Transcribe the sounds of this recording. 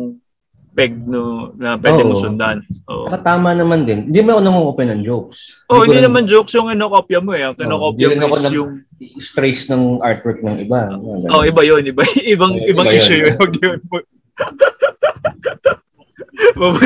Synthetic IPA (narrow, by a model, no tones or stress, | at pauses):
ŋ | pɛɡ̚nonɐpwɛoːdɪosʊnd̪aɐnʔo̰ʔɐkɐt̪aːmɐnɐmand̪ɪnhɪnd̪imoɐkonɐŋokopjɐnɐŋd͡ʒowk̚sʔoɪ̃nd̪inɐmand͡ʒowksjʊŋɪnokopjɐmoɛɐŋkɪokonpd̪ijɐɪnɐkonɐjʊŋ | iʔɪst̪ɾɛjsnɐŋʔaɹt̪̚wɛɹk̚nɐŋɪbaɐɡ̪ɐoʔɪbɐjonɪbaʔɪbɐŋʔɪbaʔiʃʊjʊoɡjono | ob